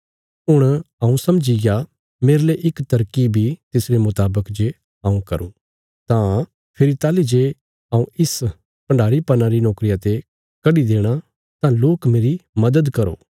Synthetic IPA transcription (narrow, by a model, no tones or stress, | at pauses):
ʊɽ̃ɐ̃ũsɐmd͡ʒija | meːɾleʔɪkt̪ɐɾkibʱit̪ɪsɾemʊt̪aːbəkd͡ʒe | ãːũkɐɾṵ̃ | t̪ã | pʰɪɾit̪aːlid͡ʒe | ɐːũɪs | pɐ̃ɳɖʱaːɾipɐnaɾinɔːkɾijat̪e | kɐɖid̪eːɽ̃a | t̪ãloːkmeːɾimɐd̪əd̪kɐɾo̰ː